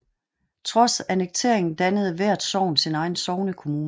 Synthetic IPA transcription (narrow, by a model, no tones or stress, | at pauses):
t͡sʰʁɒ̽sæneɡ̥̚t͡sʰe̝ɐ̰e̝ŋn̩d̥ænəð̞̩ˠəʋæɐ̰d̥sɒʊ̰nsinɑ̈ɪn̩sɒʊnəkʰo̝muːnə